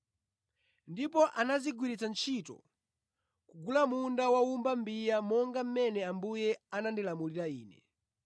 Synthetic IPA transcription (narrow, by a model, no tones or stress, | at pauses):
ndip̬ɔʔanaziɡwiɾit͡sant͡ʃʰitɔ̰ | kuɡulamundawaumbambijamɔŋɡam̩mɛnɛambujɛanandilamuliɾaiːnɛ̰